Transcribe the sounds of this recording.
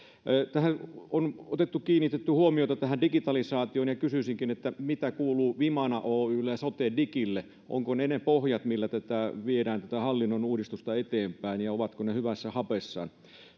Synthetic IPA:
t̪æhæonot̪et̪ːukiːnːit̪et̪ːyhuomiot̪ɑt̪æhændikit̪ɑlisɑːt̪ioːnjɑkysysiŋkinet̪ːæmit̪ækuːluːʋimɑnɑʔoːyːlːesot̪eːndikilːe | ʔo̰ŋkonenepohjɑt̪milːæt̪æt̪æʋiedæːnt̪æt̪æhɑlːinːonuːdist̪ust̪ɑet̪eːmpæinjɑoʋɑt̪konehyʋæsːæhɑpesːɑ̰ːn

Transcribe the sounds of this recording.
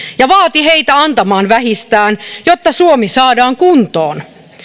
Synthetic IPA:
jɑʋɑːt̪iɦeit̪æɑnt̪ɑmɑːnʋæɦist̪æːnjot̪ːɑsuomisɑːdɑːŋkunt̪oːn

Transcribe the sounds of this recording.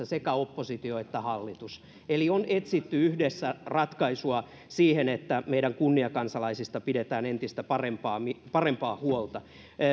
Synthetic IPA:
æsekæopːosit̪ioet̪ːæhɑlːit̪us | elionet̪sit̪ːyyhdesːærɑt̪kɑisuɑ | siːhenet̪ːæmeiɾæŋkunːiɑkɑnsɑlɑisist̪ɑpidet̪æːnent̪ist̪æpɑrempɑːmipɑrempɑːhuolt̪ɑ

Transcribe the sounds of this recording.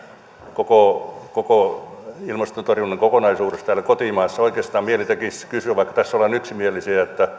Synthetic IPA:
kokokoko | ilmɑst̪ont̪orjunːeŋkokonɑisuːdest̪æːlækot̪iːmɑːsːɑoikeːst̪ɑːmmielit̪ekiskysyæʋɑikːɑ̥t̪æsːolɑnyksimielisiæet̪ːæ

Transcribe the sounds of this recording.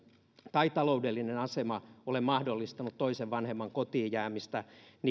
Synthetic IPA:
t̪ɑit̪ɑloudelːinenɑsemɑolemɑhdolːist̪ɑnut̪toiseʋʋɑnhemːɑŋkot̪iːjjæːmist̪æn

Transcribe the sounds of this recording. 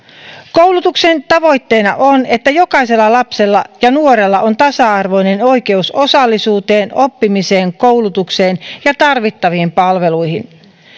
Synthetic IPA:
kowlut̪ukse̞nt̪ɑʋo̞jt̪ːe̞ːnɑ̰ʔone̞t̪ːæjo̞kɑise̞lːɑlɑpse̞lːɑjɑnuoɾe̞lːɑʔo̞nt̪ɑsɑɑrʋo̞jne̞no̞jke̞uso̞sɑlːisuːt̪e̞ːno̞pːimise̞ːŋko̞wlut̪ukse̞ːnjɑt̪ɑrʋit̪ːɑʋiːmpɑlʋe̞lujɦin

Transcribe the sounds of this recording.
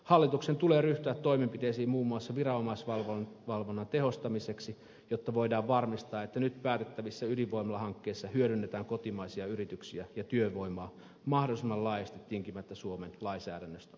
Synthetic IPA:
hɑlːit̪uksent̪uleːryht̪yæt̪t̪ːo̞imempit̪eisiːmmuːmːuɑsːɑʋirɑomɑisʋɑlʋonʋɑlʋonːɑnt̪ehost̪ɑmiseksi | jot̪ːɑʋoidɑːʋʋɑrmist̪ɑːet̪ːænyt̪pæːt̪et̪ːæʋisːæyliʋʋoimɑlːˑɑhɑŋkːeːsːɑhyøɾynːet̪æːŋkot̪imɑisiɑyrit̪yksiæjɑt̪yøʋo̞imoɑː | mɑhdolisemːɑllɑiest̪it̪t̪ːiŋkimæt̪ːæsuomenlɑinsæ̰ːdænːøst̪æ̥

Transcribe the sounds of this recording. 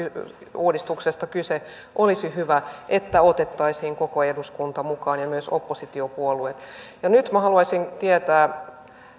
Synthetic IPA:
uːdist̪uksest̪ɑkyse | ʔolisihyʋæʔet̪ːæot̪et̪ːɑisiːŋkokoeduskunt̪ɑmukɑːnjɑmyøsopːosit̪iopuoluet̪jɑnyt̪mæhɑluɑisint̪iet̪æː

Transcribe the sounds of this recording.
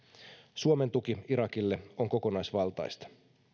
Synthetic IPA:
suome̞nt̪ukiiɾɑkilːe̞o̞ŋko̞ko̞nɑjsʋɑlt̪ɑ̰jst̪ɑ̥

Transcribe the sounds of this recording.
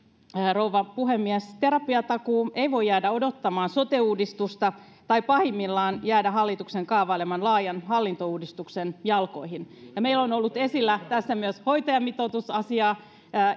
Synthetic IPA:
rouʋɑpuɦemːiɛst̪eɾɑpiɑt̪ɑkuːeiʋo̞jːæːdæo̞do̞t̪ːɑmɑːnsot̪euːdist̪ust̪ɑ | t̪ɑipɑhimːilːɑːnjæːdæɦɑlːit̪ukseŋkɑːʋɑilemɑnlɑːjɑnhɑlːint̪ouːdist̪uksenjɑlko̞ihinjɑmeilːonolːut̪e̞silːæt̪æsːæmyəsho̞jt̪ɑjɑmːit̪ot̪usɑsiɑː

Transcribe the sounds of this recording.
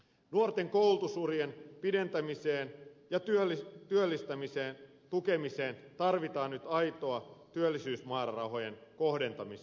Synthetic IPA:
nuort̪e̞ŋko̞wlt̪usurjenpide̞nt̪æmise̞ːnjɑt̪yit̪yølːist̪æmise̞ːn | t̪uke̞mise̞ːnt̪ɑrʋit̪ɑːnːnyt̪ɑjt̪oɑt̪yølːisyːsmɑːrrɑwɦo̞je̞nko̞hde̞nt̪ɑmis

